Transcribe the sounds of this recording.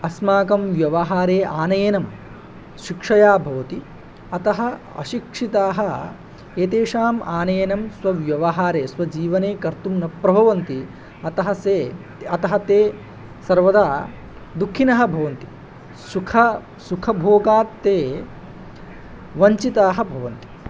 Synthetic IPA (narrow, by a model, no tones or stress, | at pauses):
ɐsmaːkɐmʋjɐʋɐɦaːɾeːʔaːnɐjenɐm | ʃikʂɐjaːbʱɐʋɐt̪i | ɐt̪ɐɦɐɐ̰ʃikʂit̪aːɦɐ̆ | eːt̪eːʂaːmaːnɐjenɐmsʋɐʋjɐʋɐɦaːɾeːsʋɐd͡ʒiːʋɐneːkɐɾt̪umnɐpɾɐbʱɐʋɐnt̪i | ɐt̪ɐɦɐse | ɐt̪ɐɦɐt̪eː | sɐɾʋɐd̪aː | d̪ukʰːinɐɦɐ̆bʱɐʋɐnt̪i̥ | sukʰɐ | sukʰɐbʱoːɡaːt̪ːeː | ʋɐɲt͡ʃit̪aːɦɐbʱɐʋɐnt̪i̥